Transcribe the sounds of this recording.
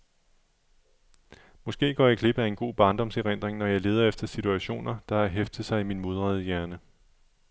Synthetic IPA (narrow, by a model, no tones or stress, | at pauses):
mɒ̽sɡ̥e̝̰ːɡ̥ɒ̰ːjɑ̈ɪkʰle̝b̥əæe̝nɡ̥o̝̰ːb̥ɑ̈ːnd̥ɒ̽mseʁen̰d̥ʁeŋnɒ̽jɑ̈ɪle̝ːð̞ˠɐefd̥ɐsit͡sʰuæɕo̝̰ːnɐd̥ɑ̈æɦefd̥ð̩ˠsɑ̈ɪiminmo̝ð̞ˠʁɑð̩ˠəjæɐnə